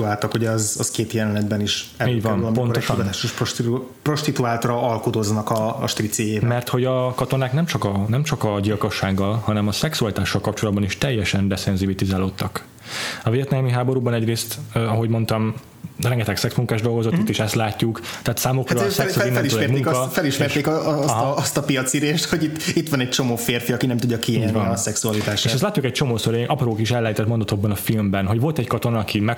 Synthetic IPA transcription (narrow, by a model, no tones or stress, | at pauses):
uaːlt̪ɒkhoɟɛɒzɒskeːt̪jɛlɛnɛd̪bɛniʃɛliːɟʋɒmlmpo̞nooʃont̪t̪aːʃoʃo | pro̞ʃt̪it̪uaːt̪rɒɒlkot̪o̞znɒkɒːʃt̪rit̪sejeːbmɛrt̪ho̞ɟɒkɒt̪o̞naːknɛmt͡ʃɒkɒnɛmt͡ʃɒkɒɟilko̞ʃːaːɡːɒlhɒnɛmɒsɛksuɒlit̪aːʃːɒlkɒp̚t͡ʃo̞lɒd̪̚bɒniʃt̪ɛjːɛʃɛnd̪ɛsɛnzibit̪izaːloːt̪ːɒk | ɒveːt̪nɛmiɦaːbo̞ɾuːbɒnɛɟreːst̪ːɒɦo̞ɟmo̞nt̪ɒm | rɛŋɡɛt̪ɛksɛksmuŋkaːʒd̪o̞lɡo̞zoit̪ːeːʃɛst̪laːcːukt̪ɛːt̪saːmokroːsɛsinːɛliølɛmueŋɒfɛliʃɛrt̪eːkɒɦst̪ɒpijɒt̪siɾeːʃt̪hoɟit̪ːit̪ːʋɒnɛc̚t͡ʃo̞moːfeːrfiɒkinɛmt̪uɟːɒkiieɟnɒsɛksuɒlit̪aːʃeːʃɛst̪laːc̪ːukɛc̚t͡ʃo̞moːsøɾeːʔɒproːkiʃɛlːɛjt̪ɛt̪mo̞nd̪ot̪oɡ̚bːɒnɒfilmbɛnɦo̞ɟʋo̞lt̪ɛckɒt̪o̞nɒɒkʰimɛ